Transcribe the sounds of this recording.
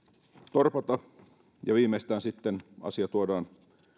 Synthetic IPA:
t̪orpɑt̪ɑ | jɑʋiːmest̪æːnsit̪ːenɑ̰siɑt̪uodɑːn

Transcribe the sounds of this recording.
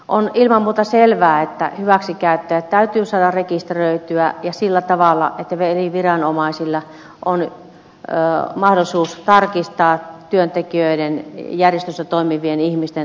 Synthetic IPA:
ʔonilmɑmmuːt̪ɑselʋæːet̪ːæ̰hyʋæksikæyt̪ːæjæt̪t̪æyt̪yːsɑːdɑrrekist̪røit̪yæjɑsilːæt̪ɑʋɑlːɑ̰et̪ːæʋeliʋirɑnomɑˑisilːɑ | ʔon | mɑhdolisuːst̪ɑrkist̪ɑːt̪yønt̪ekiøidenjærjest̪ysːæt̪oimiʋienihmist̪en

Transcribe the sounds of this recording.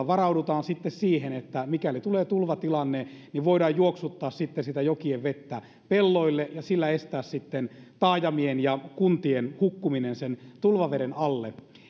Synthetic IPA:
ʋɑrɑudut̪ɑːnsit̪ːessiːhenet̪ːæmikælit̪uleːt̪ulʋɑt̪ilɑnːeniʋʋoidɑːjjuoksut̪ːɑːssit̪ːensit̪æjokieʋʋet̪ːæ | pelːoilːeʔjɑsilːæest̪æːssit̪ːent̪ɑːjɑmienjɑkunt̪ienhukːuminensent̪ulʋɑʋeɾenɑlːḛ

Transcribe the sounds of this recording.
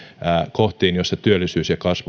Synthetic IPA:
ækoht̪iːnjosːɑt̪yølːˑisyːsjɑkɑsʋ

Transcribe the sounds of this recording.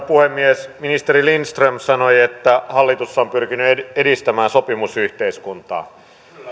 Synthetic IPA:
puhemːiesminist̪eɾilinst̪rømsɑnojet̪ːæhɑlːit̪usːɑompyrkinyeedist̪æmæːnsopimusyht̪eiskunt̪ɑ̰ː

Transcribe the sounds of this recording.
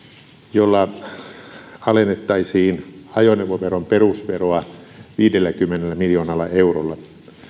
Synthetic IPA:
jolːɑ | ɑlenːet̪ːɑisiːnɑjoneʋoʋeromperusʋeroɑ | ʋiːdelːækymːenelːæmiljoːnɑlːɑeurolːɑ

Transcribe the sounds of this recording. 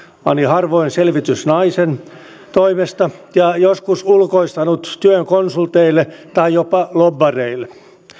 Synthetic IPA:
pɑ̰nihɑrʋoinselʋit̪ysnɑisen | t̪oimest̪ɑjɑjoskusulkoist̪ɑnut̪t̪yøŋkonsult̪eilːˑet̪ɑijjopɑlobːɑreilːˑe

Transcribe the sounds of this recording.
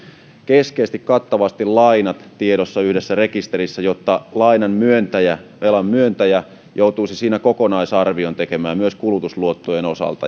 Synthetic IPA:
keskeist̪ikkɑt̪ːɑʋɑst̪illɑinɑt̪t̪ieɾosːɑyhdesːærekist̪erisːæjot̪ːɑlɑinɑmmyønt̪æjæʋelɑmmyønt̪æjæ | jout̪uisisiːnækokonɑisɑrʋiont̪ekemæːmyøskulut̪usluot̪ːojenosɑ̰lt̪ɑ̰

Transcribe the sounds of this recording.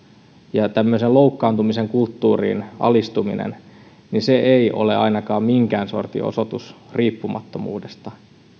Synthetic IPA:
jɑt̪æmːøiseloukːɑːnt̪umiseŋkult̪ːuːrḭːnʔɑ̰list̪uminḛn | ninseʔeio̞̰le̞̰ɑinɑkɑːmmiŋkæːnso̞̰rt̪ḭʔo̰sot̪usriːpːumɑt̪ːomṵːdest̪ɑ

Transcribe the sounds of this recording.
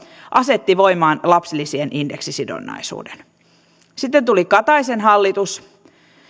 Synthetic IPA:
ʔɑset̪ːiʋoimɑːnlɑpsilːisienʔindḛksisido̰nːɑ̰isṵːden | sit̪ːent̪ulikɑt̪ɑisenɦɑlːit̪us

